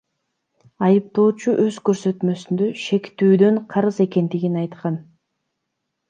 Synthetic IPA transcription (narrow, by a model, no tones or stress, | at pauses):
ɑjɯp̚t̪o̞ːt͡ʃuʔø̞zkøɾsø̞t̪mø̞synd̪ø̞ʃe̞kt̪yːd̪ø̞ɴqʰɑɾɯze̞ke̞nd̪iɡinɑjt̪qɑn